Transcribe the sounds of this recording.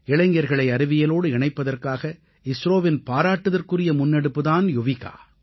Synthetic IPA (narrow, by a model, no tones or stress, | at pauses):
ɪɭɐŋɡɐɾɣɐɭɐɪɐɾɯʋɪjɐloːɽɯɪɳɐɪpːɐðɐrkaːɣɐ | ɪsɾoːʋɪnpaːɾaːʈːɯðɐrkɯrɪjɐmʊnːɛɽɯpːɯðaːnjʊʋɪɣa̰ː